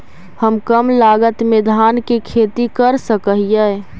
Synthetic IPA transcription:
həmkəmlaːɡət̪med̪ʱaːnkekʰeːt̪ikəɾsəkəɦijɛ

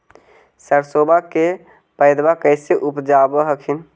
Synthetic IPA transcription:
səɾsoːbake | pəɪd̪bakəɪseʔʊpd͡ʒaːbəɦəkʰin

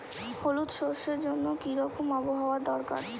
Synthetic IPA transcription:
holut̪ʃoɾʃeɾd͡ʑonːokiɾɔkomɔboɦaoad̪ɔɾka̰ɾ

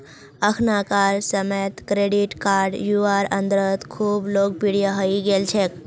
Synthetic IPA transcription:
əkʰnakaɾsəmet̪kɾeɽiʈkaɾɖjuaɾənd̪ɾət̪kʰuːblok̚piɽijaɦəiɡelt͡ɕʰek

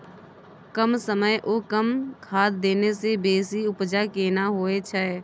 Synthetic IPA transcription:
kəmsəməjʔokəmkʰaːt̪d̪eːnesebeːsiʊpd͡ʒakeːnaɦoːet͡ʃʰəɛ

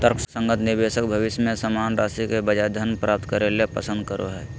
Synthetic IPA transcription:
t̪əɾkʰsə̃ŋɡət̪nɪbeːsəkbʱəʋɪʃjmẽsəmaːnɾaːsikebəd͡ʒad̪ʱənpɾʔaːp̚t̪kəɾelepə̰sə̃nd̪̚kəɾo̰ɦɛː

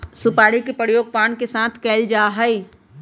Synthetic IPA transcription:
supaːɽikepəɾjoːɡ̚paːnkesãːt̪ʰkɛːld͡ʒaːɦəi

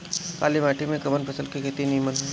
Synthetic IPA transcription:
kaːlimɛːʈʰimẽkɐbənpʰɐsəlkeket̪inimən

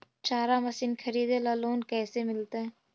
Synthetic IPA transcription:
t͡ʃaːɾamɐsinkʰɐɾiːd̪elaloːnkɛːsemɪlt̪aɦɛː

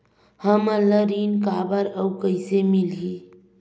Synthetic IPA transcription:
həmələɾinkabəɾəukəɪsemilɦi

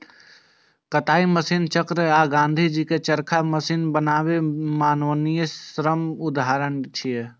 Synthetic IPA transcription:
kət̪aːiməsiːnt͡ʃəkɾəaːɡãːnd̪ʱid͡ʒiket͡ʃəɾkʰaməsiːnbənaːwemaːnʋənijəsɾəmʊd̪aːɾəɳt͡ʃʰije

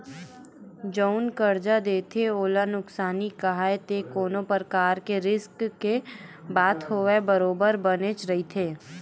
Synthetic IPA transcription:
d͡ʒoʊnkəɾd͡ʒad̪eːt̪ʰeoːlanʊksaːnikɐɦaːet̪ekoːnõpəɾkaːɾkeɾɪskkebaːt̪ɦoːʋebəɾoːbəɾbənet͡ʃɾɐɦit̪ʰeː

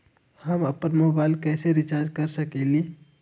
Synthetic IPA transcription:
həməpənmobailkɛseɾit͡ʃaɾd͡ʒkəɾsəkɛli

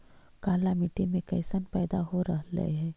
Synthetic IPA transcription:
kaːlamiʈemẽkɐɪsənpɛːd̪aɦoɾɐɦlɐ̰ḛɦɛ̃ː

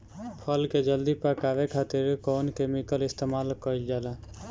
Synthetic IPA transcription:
pʰəlked͡ʒəld̪ipəkaːʋekʰaːt̪ɪɾkɔːnkemikəlɪst̪emaːlkəild͡ʒaːla

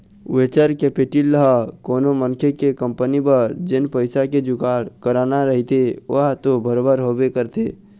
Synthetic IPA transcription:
wet͡ʃəɾkepiʈilːəɦəkoːnomənkʰekekə̃mpənibəɾd͡ʒenpəɪsaked͡ʒʊkaːɽkəɾaːnaɾəɦit̪eo̰ɦt̪obəɾobəɾɦobekəɾt̪e

